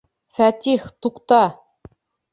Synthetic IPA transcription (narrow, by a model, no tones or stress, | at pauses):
fæt̪iχt̪uqt̪ɑ